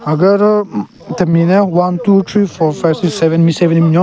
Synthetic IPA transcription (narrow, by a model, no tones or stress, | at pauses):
aɡəɾ | t̪əminawãntut̪ʰɹifɔfaɪvsiksɛʋə̃nmisɛʋə̃nimɲɔ̃